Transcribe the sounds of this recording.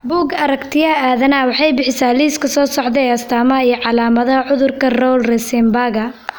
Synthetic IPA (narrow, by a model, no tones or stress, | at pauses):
buːɡɐɾɐkt̪ʰɪjɐaːðɐnawɑħɑjbɪħɪsaːliːskʰɐsɔːsɔʕd̪ɛɛjɐst̪ʰaːmɐɦɐijʕɑlaːmɐðɐɦɐʕʊðʊrkʰɐrɔwlrɛsɛmbaːɣɐ